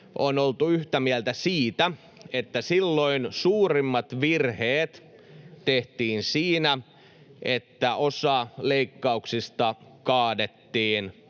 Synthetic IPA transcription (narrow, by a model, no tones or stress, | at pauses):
ʔonolt̪uyht̪æmiælt̪æsiːt̪æ | et̪ːæsilːoinsuːrimːɑt̪ʋirheːt̪ | t̪eht̪iːnsiːnæ | ʔet̪ːæʔosɑleikːɑuksist̪ɑkɑːdet̪ːiːn